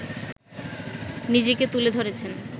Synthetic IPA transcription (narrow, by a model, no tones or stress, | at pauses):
nid͡ʑeket̪uled̪ʱoɾet͡ɕʰen